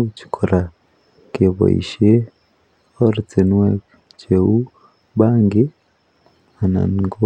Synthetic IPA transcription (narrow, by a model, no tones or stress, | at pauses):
ci̥kʰoɾa | keβo̰ḭʃe | oɾut͡senwe | cewu | βaːŋɡi | ana̰niɡo